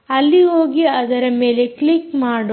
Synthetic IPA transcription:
ɐlːiɦoːɡiɐd̪ɐɾɐme̞ːleklikmaːɽ

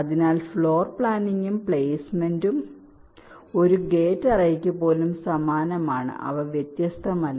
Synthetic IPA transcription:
ɐðinaːlfɭo̞ːrpɭaːniŋɡumpɭeːsmendum | o̞ɾuɡe̞ːtːɐrɐjikʲːupːo̞ːlumsɐmaːnɐmaːɳɨ̰ʔɐ̰ʋɐʋjet̪jɐst̪ʰɐmɐlː

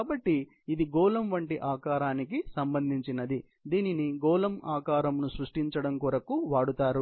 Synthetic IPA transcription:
kaːbɐʈːi | id̪iɡɔːlɐmʋɐɳʈiʔaːkaːɾaːnikisɐmbɐnd̪ʱiɲt͡ʃinɐd̪i | d̪iːniniɡɔːlɐmaːkaːɾɐmnusɾuʂʈiɲt͡ʃɐɽɐmkuːɾɐkuʋaːɽut̪aːɾu

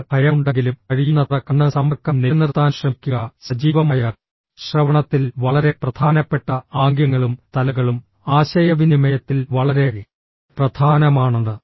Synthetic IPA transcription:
pʰɐjɐuɳɖeŋɡilumɐɻijunːɐrɐkːɐɳːɨsɐmɐrkʰːɐmnenirt̪ːaːnɕrɐmikʲːuɣɐsɐd͡ʑiːʋɐmaːjɐr | ɕrɐʋɐɳɐt̪ːilʋɐɭɐɾe̞prɐd̪ʱaːnɐpːe̞ʈːɐaːŋɡjɐŋːɐɭumt̪ɐlɐɣɐɭum | aːɕɐjɐʋinimɐjɐt̪ːilʋɐɭɐɾe | prɐd̪ʱʰaːnɐmaːɳɐnːɨ

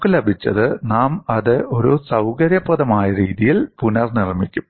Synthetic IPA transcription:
kːɨlɐbʱit͡ɕːɐ̰ðɨnaːmɐðɨʔo̞ɾusɐwkɐɾjɐpːɐðɐmaːjɐɾiːðijilpunɐrnirmikʲːum

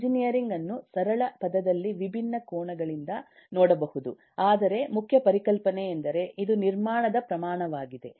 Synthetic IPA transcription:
d͡ʒinijɐɾiŋɡɐnːusɐɾɐɭɐpɐd̪ɐd̪ɐlːiʋibʱinːɐkoːɳɐɡɐɭind̪ɐ | nɔːɽɐbɐhud̪u | aːd̪ɐɾe̞mukʰjɐpɐɾikɐlpɐneːnd̪ɐɾe̞ʔid̪uniɾmaːɳɐd̪ɐpɾɐmaːɳɐʋaːɡid̪e̞

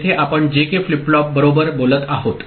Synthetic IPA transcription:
t̪ʰeʔapəɳd͡ʑekeflipɭɔp̚bəɾobəɾbolət̪aɦot̪

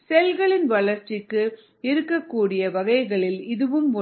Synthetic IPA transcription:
sɛlɣɐɭɪnʋɐɭɐɾt͡ʃːɪkːɯ | ɪɾɯkːɐkːuːɽɪjɐʋɐɣɐɪɣɐɭɪlɪðɯʋɯmɔ

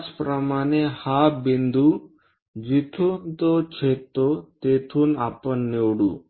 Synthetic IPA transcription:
t͡ʃpɾəmaːnehabind̪u | d͡ʒit̪ʰunt̪ot͡ʃʰet̪ːot̪et̪ʰunapənːewɽṵ

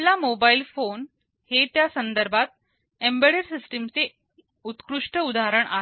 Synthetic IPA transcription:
lamobailfon | het̪jasənd̪əɾbʱat̪̚ | embeɽəɾsisʈimt͡se | ut̪kɾuʂʈəud̪aɾəɳʔa̰ɦ

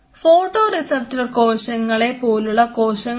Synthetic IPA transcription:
foːʈːoːrisɐp̚tɐko̞ːɕɐŋːɐɭe̞poːluɭːɐko̞ːɕɐŋ

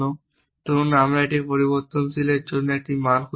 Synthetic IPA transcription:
o | ʈunamɾaeʈipoɾiboɾt̪onsʰileɾd͡ʑonːoek̚ʈimankʰu

